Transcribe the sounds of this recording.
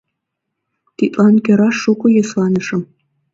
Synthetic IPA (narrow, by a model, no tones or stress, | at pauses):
t̪it̪lɑnkʲøɾɑʃːukŏjɤslɑnɤ̆ʃɤ̆m